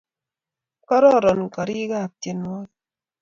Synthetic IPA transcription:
kɔ˦ɾɔ˦˨ɾɔ˨nka˨ɾi˦ɡa˦˨p̚te˨nwɔ˦t̚

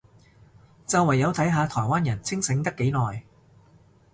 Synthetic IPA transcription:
t͡sɐ˨wɐ˨˩jːɐ˨˧wt̪ʰɐ˨˥jɦaː˨˧t̪ʰɔː˨˩jwaː˥njɐ˨˩nt͡sʰɪ˥ŋsɪ˨˥ŋt̪ɐ˥kːe˨˥jnɔː˨j

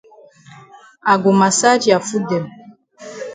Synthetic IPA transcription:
a˨ɡo˨ma˨sa˦d͡ʒi˨a˨fu˦dɛ˨m

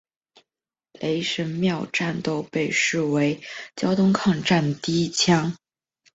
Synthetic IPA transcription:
le˧˥ɪʂə˧˥nmjɑ˥˧ʊʈ͡ʂa˥˩nt̪o˥˧ʊpe˥˧ɪʂɻ̩˥˩we˧˥ɪt͡ɕjɑ˥ʊt̪ʊ˥ŋkʰɑ˥˧ŋʈ͡ʂa˥˩nd̪ə˩t̪i˥˩i˥t͡ɕʰjɑ˥ŋ

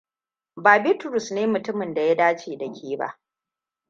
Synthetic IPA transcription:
baː˨bi˦tʊ˨ɾʊ˨sneː˦mʊ˨tʊ˦mɪ˨nda˨ja˦daː˦t͡ʃeː˨dɐ˨kʲʰiː˦ba̰˦ʔ

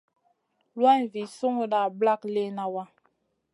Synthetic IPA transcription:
lwa˦˨vi˨su˦ŋu˦ɗa˨bla˦kle˦na˨wa˦

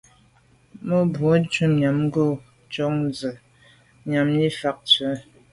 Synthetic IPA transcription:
mo˦bwo˨˦t͡ʃu˦ɲa˨m˦ɡo˦˨ | t͡ʃɔ˦ŋzə˨ | ɲa˨mli˦fa˦k̚t͡sə˨˦

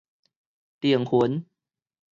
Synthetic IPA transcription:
t̪i˨˩əŋhu˨˩˦n

